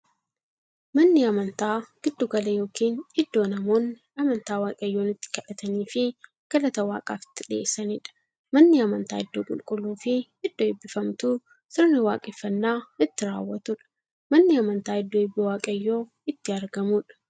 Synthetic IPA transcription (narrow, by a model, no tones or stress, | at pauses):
mɐnːɪɐmɐnt̪aːɡ̥ɪd̪ːʊɡɐlɐjo̞ːkiːnɪd̪ːo̞ːnɐmo̞ːn | ɐmɐnt̪aːwaːkʼɐjːo̞ːnɪt̪ːɪ̥kɐᶑɐt̪ɐniːfɪ | ɡ̥ɐlɐt̪ɐwa̰ːkʼaːfɪ̥t̪ːɪᶑɪḛːsːɐniːᶑɐ̥ | mɐnːɪɐmɐnt̪aːɪd̪ːoːkʼʊ̰lkʼʊlːuːfɪ | ɪd̪̥ːoɪbːɪfɐmt̪uː | sɪɾnɪwaːkʼɪfːɐnːaːɪt̪ːɪɾa̰ːwːɐt̪ʊᶑɐ̥ | mɐnːɪɐmɐnt̪aːɪd̪ːoɪbːɪwaːkʼɐjːo̞ː | ɪt̪ːɪɐɾɡɐmuːᶑɐ̥